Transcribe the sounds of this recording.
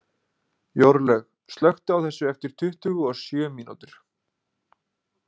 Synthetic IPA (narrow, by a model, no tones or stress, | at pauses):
jowɾlɛx | st̪lœxt̪ʏawθɛsːʏɛft̪ɪɾ̥t̪ʰʏht̪ʏɣʏɔsjœːmiːnṵt̪ɪɾ̥